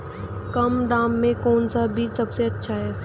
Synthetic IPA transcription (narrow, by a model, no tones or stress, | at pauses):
kɐmd̪aːmːẽkɔːnsabʱiːt͡ʃsɐbseɐtːʃʰaɦɛː